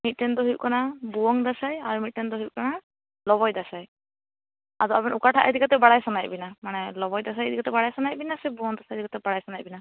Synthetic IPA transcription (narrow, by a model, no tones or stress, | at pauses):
mit̚ːɛndɔɦiʔ̚kɔnabuwɔŋdasajaɹumit̚ːɛndɔɦip̚kɔna | lɔβɔjdasaj | azɔabɔnukatʰaʔɛdikatɛbaɽajsanajbinamanɛlɔbɔjdas̬ajɛdikatɛbaɽajsanajbinasɛbuwɔŋdasajdikatɛbaɽajsanajbina